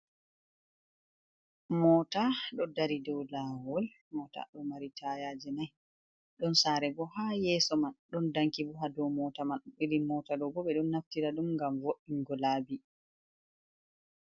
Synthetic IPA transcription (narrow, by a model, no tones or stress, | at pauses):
mɔːtaɗɔdaɾidɔwlawɔl | mɔta̰ɗɔmaɾitʰajad͡ʒɛnaj | ɗɔnsaɾɛbɔhajɛːsɔmanɗɔndaŋkibuɦadɔmɔtamanɗuɓiɾimɔtadɔbɔɓɛɗɔnːaftiɾaɗumŋɡamwoʔːiŋɡɔlaːbi